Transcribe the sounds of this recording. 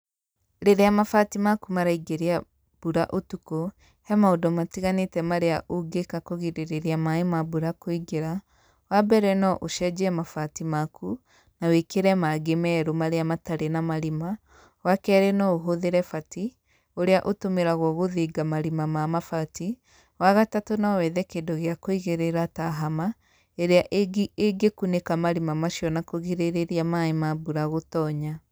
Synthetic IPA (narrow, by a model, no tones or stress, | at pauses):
ɾeɾeamafatimakumaɾaiɡeɾea | b̥uɾaʔotuko | hɛmaodɔmatiɣanetɛmaɾeaʔoɡekakoɣiɾeɾeɾeamaemabuɾakoiɡeɾa | wabɛɾɛnɔʔoʃɛd͡ʒɛɛmafatimaku | nawekeɾɛmaɡemɛɾomaɾeamataɾenamaɾima | wakɛːɾenɔoɦoðeɾɛfati | oɾeaʔotomeɾaɣwɔɣoðiːɡamaɾimamamafati | waɣatatonawɛðɛkeːndoɣeakoiɣeɾeɾataɦama | eɾeaʔeɡekunekamaɾimamaʃiɔnakoɣeɾeɾeɾiamaemabuɾaɣotɔːɲa